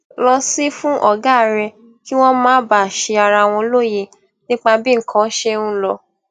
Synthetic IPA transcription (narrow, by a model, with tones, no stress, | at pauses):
lɔ˧si˦fũ˦ʔɔ˦˨ɡa˦˨ɾɛ˧ | ki˦w̃ɔ̃˦mãː˨˦ba˦˨ʃe˧a˧ɾa˧w̃ɔ̃˧lo˦je˧ | nĩ˦k͡pa˧bĩ˦ŋ̩˨kʰã˦ʃe˦ũ˦lɔ˧